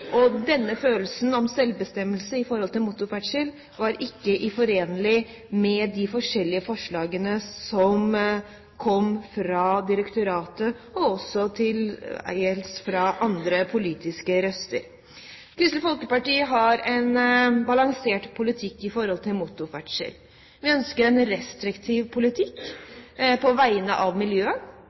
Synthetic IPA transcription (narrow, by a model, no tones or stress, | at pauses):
ʔɔd̪ɛnːəføːl̩sn̩ɔmsɛlbəst̪ɛmːəlsəɪfɔɾhɔlt̪ɪlmʊt̪ːʊfæʈʂəl | ʋɑɾʔɪkːəʔɪfɔɾeːnəlɪ | mɛd̪ɪfɔʂɛlːɪəfɔʂɭɑːɡənəsɔm | kʰɔmfɾɑd̪ɪɾəkt̪ʊɾɑːt̪əɔɔsːɔt̪ʰɪlæ̰ɪəlsfɾɑʔɑnd̪ɾəpʰʊliːt̪ɪskəɾœst̪ə̰ɾ | kʰɾʏst̪əfɔlkəpɑʈiːəɦɑɾɛnbɑlɑŋseːʈpʰʊlɪt̪ʰɪkːɪfɔɾhɔlt̪ʰɪlmʊt̪ʊfæʈʂə̰ɾ | ʋɪœnskəɾɛnɾɛst̪ɾɪkt̪ʰiːʋpʰʊlɪt̪ʰɪkː | pʰɔʋæɪənə̰ʔɑʋmɪljøːə